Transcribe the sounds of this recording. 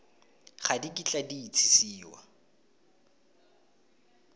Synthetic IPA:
χadikʼit͡ɬʼadiːt͡sʰi̥siːwa̰

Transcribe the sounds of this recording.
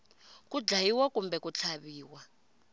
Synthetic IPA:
kud͡ɮajiwakumbɛkut͡ɬʰaβiːwa

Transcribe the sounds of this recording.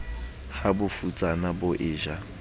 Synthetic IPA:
habʊfut͡sʼanabʊʔɪːʒa

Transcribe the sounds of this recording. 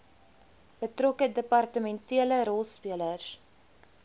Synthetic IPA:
b̥ətrɔkədəpɐrtəmɛntiələɾɔlˠspiələrs

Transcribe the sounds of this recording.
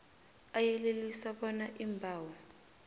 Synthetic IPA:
ajɛlelisaɓɔnaʔimbʱaːwɔ

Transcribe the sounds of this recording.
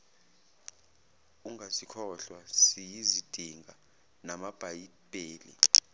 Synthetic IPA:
uŋʱasikʰɔɬwasijizid̥ʱiŋʱa | namab̥ʱaji | b̥ʱʼeːlḭ

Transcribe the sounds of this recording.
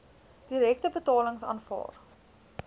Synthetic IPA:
d̥iɾɛk̚təbətɑːləŋsɑ̰ːnfɑ̰ːr

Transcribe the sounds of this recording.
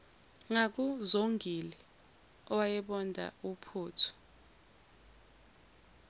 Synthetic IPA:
ŋak̬uzoŋʱilɛ | ɔwajɛɓɔndʱa̰upʰuːtʰɔ̥

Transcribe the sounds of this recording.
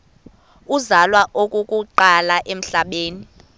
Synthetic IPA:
uzalwaʔokʼukʼuǃalaʔem̩ɬaɓeːni

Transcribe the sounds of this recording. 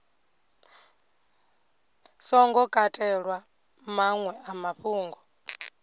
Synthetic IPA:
sɔŋɡɔkʼatʼɛɺwa | maŋwɛamaɸuːŋɡɔ

